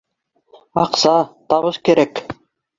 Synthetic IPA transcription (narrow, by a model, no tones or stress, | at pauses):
ɑqsɑt̪ɑβɤskɘ̆ɾæk